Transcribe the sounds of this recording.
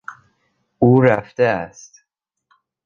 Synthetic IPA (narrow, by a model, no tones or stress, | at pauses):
uːɾæft̪eæst̪